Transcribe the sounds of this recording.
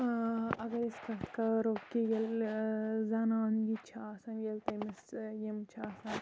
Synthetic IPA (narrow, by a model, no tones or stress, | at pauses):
ɐɡɐɾeskɐt̪kɐɾoːkːijel | zanaːnɡit͡ʃʰaɐsɐnjelt̪ɐmisjemt͡ʃʰaːsɐːn